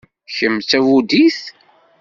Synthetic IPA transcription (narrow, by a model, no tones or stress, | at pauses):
çəmːt͡sæwud̪iθ